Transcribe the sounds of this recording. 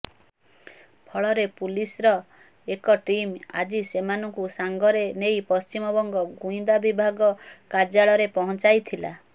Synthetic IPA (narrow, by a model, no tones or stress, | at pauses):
pʰɔɭɔɾepulisɾɔ | ekɔʈima̰d͡ʒisemanɔŋkusaŋɡɔɾenejpɔst͡ʃimɔbɔŋɡɔɡũĩd̪abibʱaɡɔkad͡ʒaɭɔɾepɔɦɔ̃nt͡ʃajt̪ʰila̰